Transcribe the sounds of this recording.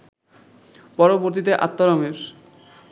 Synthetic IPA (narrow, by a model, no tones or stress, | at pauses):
pɔɾoboɾt̪̬it̪̬eʔa̰t̪ːɔɾomeɾ